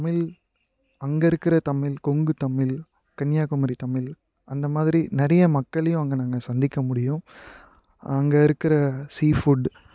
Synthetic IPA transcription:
t̪ɐmɪl | ɐŋɡɐɪɾɯkːɪɾɐt̪ɐmɪlkɔŋɡɯt̪ɐmːɪl | kɐnjaːkʊmɐɾit̪ɐmɪl | ɐnd̪ɐmaːðɪɾinɪɾɐjɐmɐkːɐɭɐjʊ̃ɐŋɡɐnaːŋɡɐsɐnd̪ɪkːɐmʊɽɪjɯ̃ | ɐŋɡeɪɾɯkːɪɾɐsiːfuɖ

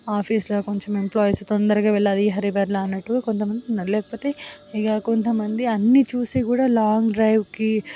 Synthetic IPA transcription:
aːpʰiːsloko̞ɲt͡ʃɐmemplaːjst̪ond̪ɐɾɐɡaːʋɛɭːad̪iːɦɐɾibɐɾlɐnːɐʈːuko̞nt̪ɐmɐnd̪iunːɐɾlɛːkɐ̥po̞ːt̪e̞ːiɡaːko̞nt̪ɐmɐnd̪iɐnːit͡ʃuːsiːkuːɽaːlaːŋɡɖɾɐjʋki

